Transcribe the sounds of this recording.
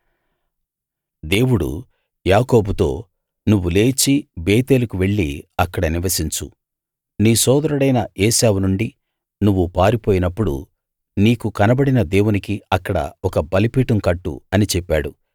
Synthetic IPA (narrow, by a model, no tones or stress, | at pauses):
d̪e̞ːwuɽṵ | jaːko̞ːbut̪o̞ː | nuʋːule̞ːt͡ʃibeːt̪e̞ːlukuʋe̞ɭːiɐkːɐɽɐniʋɐsiɲt͡ʃṵ | niːsɔːd̪ɐɾɐɽɐjnɐʔɛːsaːʋunuɳɖi | nuʋːupaːɾipoːjinɐpːuɽṵ | niːkukɐnɐbɐɽinɐd̪e̞ːwunikiɐkːɐɽɐ̰ɔkɐbɐlipiːʈɐmkɐʈːṵɐnit͡ʃɛpːaːɽu